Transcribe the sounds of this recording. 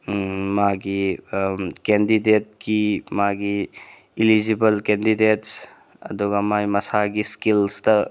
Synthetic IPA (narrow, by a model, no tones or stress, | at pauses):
maɡi | kendidet̚kimaɡi | ilid͡ʒibɐlkɛndidets | ɐd̪uɡamajmɐsaɡiskilstɐ